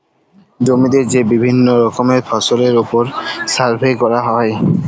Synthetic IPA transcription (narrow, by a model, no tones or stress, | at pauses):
d͡ʒomid̪eɾzebibʱinːoɾɔkɔmepʰasɔleɾupɔɾsaɾpʰekɔɹaɦɔj